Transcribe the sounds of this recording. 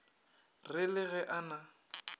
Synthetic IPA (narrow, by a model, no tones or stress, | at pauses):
rɪlɪɣɛʔana